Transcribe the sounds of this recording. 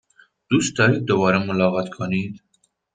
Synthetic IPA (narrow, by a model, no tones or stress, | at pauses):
d̪̥ust̪ɑjid̪əwɑɾəməlɑʁɑt̪kʰɑnit̪